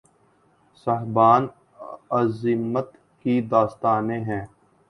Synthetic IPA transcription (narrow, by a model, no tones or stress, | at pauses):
sɐɦbaːn | əzɪmət̪ | kid̪aːst̪aːnẽɦɛ̃ː